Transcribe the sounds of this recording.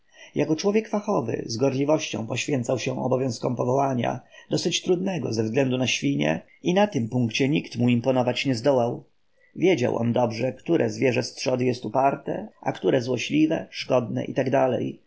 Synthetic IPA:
jakɔt͡ʂwɔvʲjɛkfaxɔvɘ̰zɡɔɾlʲivɔɕt͡ɕɔ̰̃w̃pɔɕfʲjɛnt̪sawɕɛ̃ɔ̰bɔvjɔ̃w̃skɔ̃mpɔvɔwaɲa̰d̪ɔsɘt͡ɕt̪ɾud̪nɛɡɔ̰zɛvzɡlɛnd̪unaɕfʲiɲɛ̰ | inat̪ɘmpuŋkt͡ɕɛɲikt̪muimpɔnɔvat͡ɕɲɛzd̪ɔwaw | vʲjed͡ʑa̰wʔɔ̰nd̪ɔbʐɛkt̪uɾʔɛzvʲjɛʐɛst̪ʂɔd̪ɘjɛst̪upaɾt̪ɛ̰ʔakt̪uɾɛzwɔɕlʲivɛʂkɔd̪nɛ̰ʔḭt̪aɡd̪alɛ̰j

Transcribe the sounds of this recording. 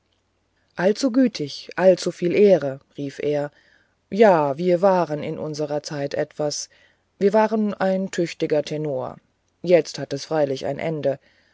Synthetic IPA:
ʔalt͡suɡyːtʰɪçʔalt͡sufiːlʔeːʁəʁiːfʔeːɐ | jaːviːɐvaːʁənɪ̰nʔʊ̰nzəʁɐt͡saɪtʔɛtv̥as | viːɐvaːʁənaɪntʰʏçtɪɡɐtʰɛnoːɐ̰ | jɛt͡sthatɛsfʁ̥aɪlɪça̰ɪnʔɛ̰ndə

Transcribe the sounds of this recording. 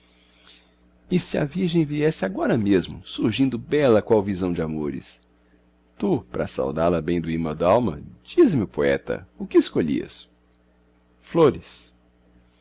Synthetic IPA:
ɪsɪɐ̰viɾʒẽj̃viɛsɪaɡɔɾɐmezmʊsuɾʒĩnd̪ʊbɛlɐkw̃awvizɐ̃w̃d͡ʒɪamoɾɪ̰s | t̪upɾɐ̰sa̰wd̪alɐbẽj̃d̪ʊimɐd̪awmɐ̰d͡ʒizmɪʊpoɛt̪ɐ̰ʊkɪːskoʎḭɐ̰s | floɾɪs

